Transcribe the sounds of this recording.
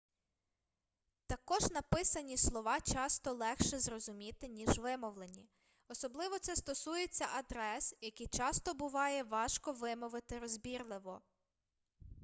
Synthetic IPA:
t̪ɐkɔʒnɐpɪsɐnʲislˠɔʋɑt͡ʃɑst̪ɔlˠɛxʃɛzɾɔzʊmʲit̪ɪnʲiʒʋɪmɔʋlˠenʲi | ɔsɔblˠɪʋɔt̪sɛst̪ɔsujet͡sʲːɐʔɐd̪ɾɛsjɐkijt͡ʃɑst̪ɔbʊʋɑjɛʋɑʃkɔʋɪmɔʋɪt̪ɪɾɔzbʲirlˠɪʋɔ

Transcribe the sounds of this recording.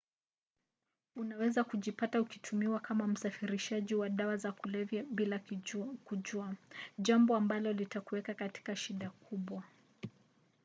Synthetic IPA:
unawɛzakuʄipataukitʰumiwakʰamam̩safiɾiʃaʄiwaɗawazakulɛvjaɓilakuʄuaʄambɔambalɔlitakuwɛkakati̥kaʃiɗakʰuɓwa

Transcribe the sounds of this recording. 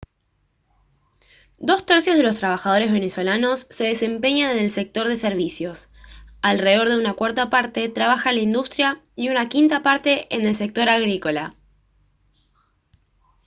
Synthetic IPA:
d̪o̞st̪eɾsjo̞zðelo̞s̬t̪ɾaβ̞axað̞o̞ɾe̞zβe̞ne̞so̞lano̞sːe̞ðe̞se̞mpe̞ɲanene̞lse̞k̚t̪o̞ɾð̞e̞seɾβ̞isjo̞s | alreðo̞ɾð̞eunakwaɾt̪apaɾt̪e̞t̪ɾaβaxalaind̪ust̪ɾja | iunakint̪apaɾt̪e̞ʔene̞lse̞k̚t̪o̞ɾaɣɾiko̞la

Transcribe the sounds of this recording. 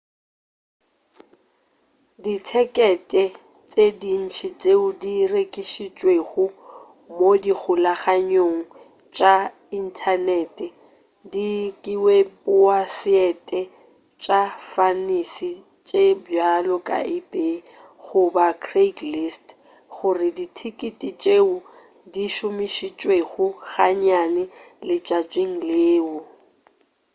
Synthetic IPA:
ditʰɛkʼɛtʼɛ | t͡sʼedin̩t͡ʃʰit͡sʼeʊdirekʼiʃit͡ʃʼweɣʊ | modik͡xʰʊlaχaɲoŋ̩ | t͡ʃʼa | in̩tʰanɛtʼɛ | dikʼiwepʊasɪɛtʼɛ | t͡ʃʼafanisi | t͡ʃʼebjalɔkʼa̰ibʼeɣʊbakʰreklist | χʊrɪditʰikʼitʼit͡ʃʼeʊ | diʃʊmiʃit͡ʃʼweɣʊɣaɲanɛlɪt͡ʃʼat͡ʃʼweŋ̩leːʊ

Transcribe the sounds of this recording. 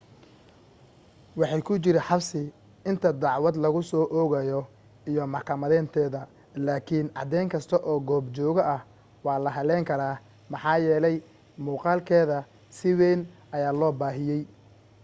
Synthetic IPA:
wɑħɑjkʰʊt͡ʃɪɾɪħɑbsɪ | ɪnt̪ʰɐd̪ɑʕwɐd̪lɐɣʊsɔːʔɔːɣɐjɔ | ijɔmɑħkʰɐmɐðɛːnt̪ʰɛːðɐ | laːkʰinʕɑ̰d̪ɛjŋkʰɐst̪ʰɐʔɔːɡɔːbt͡ʃɔːɣɔʔɐh | wɑːlɐɦɐlɛːŋkʰɐɾaː | mɑħɑːjɛːlɛj | muːqɑːlkʰɛːðɐ | sɪwɛːn | ɐjaːlɔːbaːɦɪjɛj

